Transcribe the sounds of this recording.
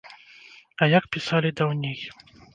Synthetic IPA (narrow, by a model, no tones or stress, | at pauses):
ɐjakpʲisalʲid̪awnʲij